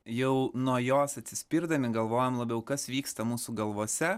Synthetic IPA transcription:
jɛʊnuɔjoːsɐt̪ʲsʲɪsʲpʲɪɾd̪ɐmʲɪɡɐlˠʋoːjɛmlˠɐbʲɛʊkɐsʋʲiːkst̪ɐmuːsuɡɐlˠʋoːsʲɛ

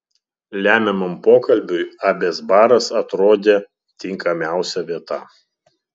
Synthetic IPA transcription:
lʲæːmʲemɐmpoːkɐlʲbʲʊɪɑːbʲeːzbɑːɾɐsɐt̪ɾoːd̪ʲeː | t̪ʲɪŋkʰɐmʲæˑʊsʲɛʋʲiɛt̪ɐ

